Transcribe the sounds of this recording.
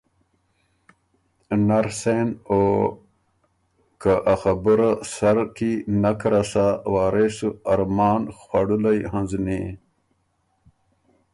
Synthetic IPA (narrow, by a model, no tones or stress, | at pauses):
naɾseno | kaʔaxabuɾasaɾkinakɾasawaːɾesuaɾmɑːnxwaɽulajhãnzne